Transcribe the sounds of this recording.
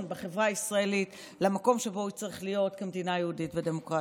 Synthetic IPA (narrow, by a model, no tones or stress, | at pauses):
nbeχe̞vʁaisʁae̞lit | lemako̞mʃe̞bo̞it͡sʁiχlijo̞t̪kemdinajehuditvede̞mo̞kʁa